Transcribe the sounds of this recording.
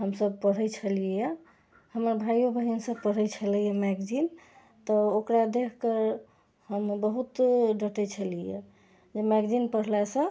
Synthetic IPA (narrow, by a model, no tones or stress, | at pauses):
ɦəmsəb̚pəɽ̤ət͡ʃʰəlije | həməɾbʱajobʱəɦnsə̃pəɽ̤əjt͡ʃʰəlɛjɛmɛɡd͡ʒin | t̪əokɾad̪ekʰkəɾ | həmbəɦut̪ɖəʈət͡ʃʰəlijḛ | d͡ʒemɛɡd͡ʒinpəɽ̤lasə̃